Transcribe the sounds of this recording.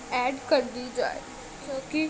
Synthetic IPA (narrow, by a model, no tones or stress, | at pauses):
ɛːɖkəɾd̪iːd͡ʒa̰ːḛ | t͡ʃoːki